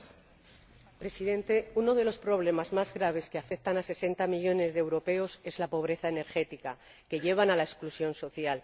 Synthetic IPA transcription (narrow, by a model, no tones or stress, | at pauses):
pɾe̞siðe̞nt̪e̞uno̞ð̞e̞lo̞spɾo̞βle̞mazmazɣɾaβ̞e̞skeafe̞k̚t̪anase̞se̞nt̪amiʝo̞ne̞zðewɾo̞pe̞o̞se̞zlapo̞β̞ɾe̞θaene̞ɾxe̞t̪ika | ke̞ʝe̞β̞analaesklusjo̞nso̞θjal